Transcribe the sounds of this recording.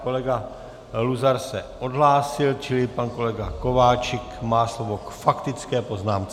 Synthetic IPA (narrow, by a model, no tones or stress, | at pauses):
ko̞lɛɡa | luzaɾsɛʔo̞d̪ɦlaːsɪlt͡ʃɪlɪpanko̞lɛɡako̞vaːt͡ʃɪkmaːslovokfakt̪ɪt͡skɛːpo̞znaːmt͡s